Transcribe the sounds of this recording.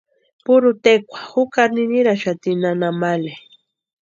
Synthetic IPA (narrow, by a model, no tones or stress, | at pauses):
pʊɾʊt̪ekʷḁhʊkaɾnɪniɾaʃat̪inanamale